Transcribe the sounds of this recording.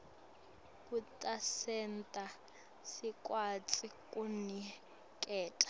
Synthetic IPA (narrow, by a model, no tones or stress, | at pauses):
kutʼasɛntʼa | sikʼwat͡sʼikʼuni | kʼɛːtʼḁ